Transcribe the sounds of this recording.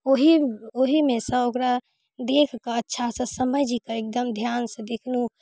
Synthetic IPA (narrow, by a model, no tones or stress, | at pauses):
oɦioɦimẽsə̃bokɾa | d̪ekʰkəətːʃʰasə̃səməd͡ʒikəek̚d̪əmd̪ʱjaːnsə̃d̪ekʰnu